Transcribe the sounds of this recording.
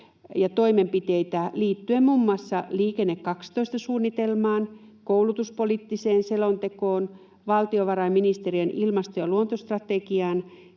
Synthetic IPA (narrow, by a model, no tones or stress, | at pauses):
jɑt̪oimempit̪eit̪æliːt̪ːyemmumːɑsːɑliːkenːekkɑkst̪oist̪ɑsuːnːit̪elmɑːn | kowlut̪uspolit̪ːiseːnselont̪ekoːn | ʋɑlt̪ioʋɑrɑiminist̪erienʔilmɑst̪ojɑluont̪ost̪rɑt̪ekiɑːn